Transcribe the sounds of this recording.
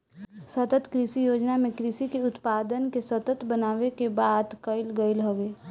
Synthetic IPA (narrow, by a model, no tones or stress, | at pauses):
sət̪ət̪kɾɪsijoːd͡ʒnamẽkɾɪsikeʊt̪paːd̪ənkesət̪ət̪bənaːʋekebad̪kəɪlɡəɪlɦoʋe